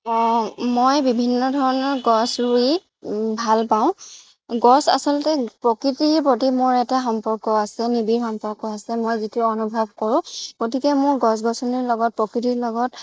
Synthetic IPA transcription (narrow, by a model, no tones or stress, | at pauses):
mojbibʱinːɔdʱɔɹɔnɔɹɡɔsɹui | bʱalpaʊ̃ | ɡɔsa̰sɔltɛpɹɔkɹitiɹpɹot̬imʊɹɛtaxɔmpɔɹkɔasɛnibiɹxɔmpɔɹkɔasɛmojzitʊɔnubʱab̚ʱkoɹʊ̃ɡ̥otikɛmʊɹɡɔs̬ɡɔsɔniɹlɔɡɔt̚pɹɔkɹitiɹlɔɡɔt